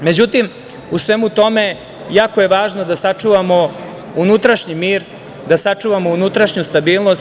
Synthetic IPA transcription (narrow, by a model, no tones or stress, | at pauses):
me̞d͡ʑut̪im | usʋemut̪o̞me̞ | jaːkoje̞ʋaːʒno̞d̪asat͡ʂuʋamo̞ | unut̪ɾaʃɲimiːɾ | d̪asat͡ʂuːʋamo̞unut̪ɾaʃɲust̪abiːlˠno̞s